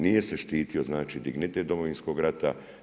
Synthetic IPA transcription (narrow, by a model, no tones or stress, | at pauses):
nije̞se̞ʃt̪iːt̪io̞znaːt͡ʃiːd̪iɡnit̪ed̪o̞moʋinsko̞ɡɾat̪a